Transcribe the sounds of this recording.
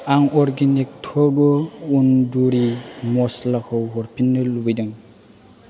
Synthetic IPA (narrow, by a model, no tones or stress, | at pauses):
aŋɔɾɡinik̚tʰɔbɯunduɾimɔslakʰɔwɦɔɾpʰinːɯlubɯjdɯŋ